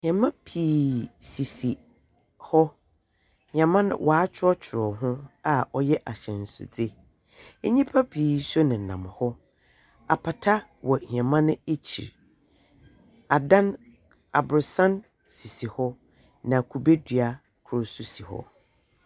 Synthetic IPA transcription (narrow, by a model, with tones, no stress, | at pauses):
ɲã˨mã˦pʰiː˨si˨si˨ | hɔ˦ | ɲã˨mã˦nʊ̰̃˦wʔa˨a˨˦t͡ɕᶣʰɪ˦ɾɔ˦t͡ɕʰɪ˨ɾɔ˨ɦʊ̃˦a˨ɔ˦jɛ˦ʔa˨ɕɛ̃˨n̩˨sʊ̰˨d͡zɪ˦ | e˦ɲĩ˦pʰa˦pʰiː˨˦sɔ˦nɪ̃˨nã˨m˨hɔ˦ | a˨pʰa˨tʰa˦wɔ˨ɲ˨ã˨mã˦nɪ̃˦e˦t͡ɕʰḭ˨ɾ | a˨dã˦n | a˨bʊ˨ɾsã˦n | si˨si˨hɔ˦ | nã˨kʰu˨be˦dɥa˨ | kʰʊ˨˦ɾsu˨si˨hɔ̰˦